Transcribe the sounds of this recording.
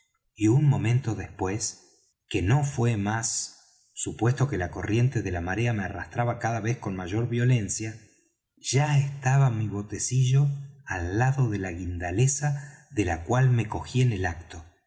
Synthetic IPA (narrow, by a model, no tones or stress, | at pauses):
iunmõ̞mẽnt̪o̞ðespwe̞s | ke̞no̞fwe̞masː | upwe̞st̪o̞ke̞lako̞rje̞nt̪e̞ðelamaɾeameara̰st̪ɾaβakaðaβ̞e̞sko̞nmaʒo̞ɾβjo̞le̞nsja | ʒ̥aest̪aβamiβo̞t̪e̞siʒo̞alːaðo̞ðelaɣind̪alesaðe̞lakwalme̞ko̞xiene̞lak̚t̪o̞